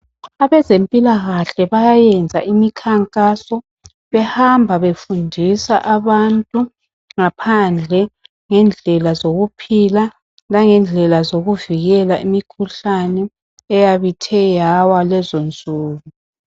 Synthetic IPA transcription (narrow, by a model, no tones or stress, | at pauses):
aβɛzempʼilaɣaɬɛβajajɛnd͡zʱaʔimikʰaŋkʼasɔ | βɛhambʱaβefundʱisaʔaβantʼu | ŋapʰand͡ɮʱɛ | ŋɛnd͡ɮʱɛlazoɣupʰila | nlaŋɛnd͡ɮʱɛlazoɣuviɣɛlaʔimikʰuɬanɛː | jaβitʰɛjawalɛzond͡zʱuːβu